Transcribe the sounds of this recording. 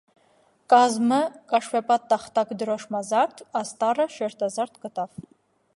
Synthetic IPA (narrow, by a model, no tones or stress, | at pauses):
kʼazmɐkʼaʂfɛpʼat̪ːaχt̪ʰʼakʷʼd̪ɨɾɔʂmazart̪ʰast̪ʼarɐʃɛrt̪ʰʼazart̪ʰkʼɨt̪ʼaf